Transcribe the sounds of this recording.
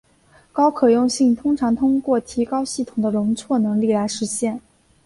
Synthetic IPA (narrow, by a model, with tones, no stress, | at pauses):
kɑ˥ʊkʰɤ˨˩jʊ˥˧ŋɕi˥˩ŋt̪ʰʊ˥ŋʈ͡ʂʰɑ˧˥ŋt̪ʰʊ˥ŋkwɔ˥˩t̪ʰi˧˥kɑ˥ʊɕi˥˩t̪ʰʊ˨˩ŋd̪ə˦ɻʊ˧˥ŋt͡sʰwɔ˥˩nɤ˧˥ŋli˥˩la˧˥ɪʂɻ̩˧˥ɕjɛ˥˩n